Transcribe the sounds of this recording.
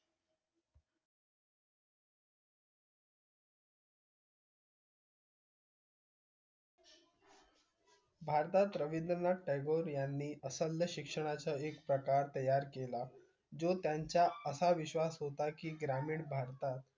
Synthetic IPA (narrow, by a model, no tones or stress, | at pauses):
bʱaɾt̪at̪ɾəʋind̪ənaʈejɡoɾjanːiːʔəsəljəɕikʂəɽ̃at͡səekpɾəkaɾt̪əjaɾkela | d͡zot̪jaɲt͡ɕjaəsaʋiɕʋasɦot̪akiːɡɾamiːɳbʱaɾt̪at̪̚